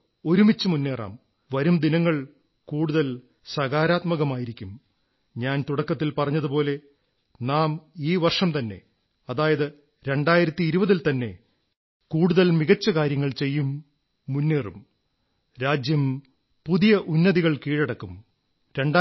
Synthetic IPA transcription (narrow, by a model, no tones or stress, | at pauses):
o̞ɾumit͡ɕːɨmunːe̞ːra̰ːm | ʋɐɾumd̪inɐŋːɐɭ | kuːɽuðɐl | sɐɣaːɾaːt̪mɐɣɐmaːjiɾikʲːum | ɲaːnt̪uɽɐkːɐt̪ːilpɐrɐɲːɐðupo̞ːle̞ | naːmiːʋɐrʂɐmt̪ɐnːe̞̰ | ɐðaːjɐðɨ | ɾe̞ɳɖaːjiɾɐt̪ːiːɾubɐðilt̪ɐnːe̞̰ | kuːɽuðɐlmiɣɐt͡ɕːɐkaːɾjɐŋːɐɭt͡ɕe̞jːumː | unːe̞ːrum | ɾaːd͡ʑjɐm | puðijɐʔunːɐðiɣɐɭkiːɻɐɽɐkːum | ɾe̞ɳɖa